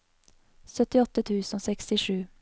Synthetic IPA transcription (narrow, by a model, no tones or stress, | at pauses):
sœt̪ɪɔt̪ət̪ʰʉːsn̩oːsɛkst̪ɪʃʉː